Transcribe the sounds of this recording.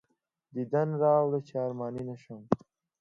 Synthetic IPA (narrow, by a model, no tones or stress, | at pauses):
d̪id̪ɐnɾɑːwɽət͡ɕɑːɾmɑːninɐʃɐm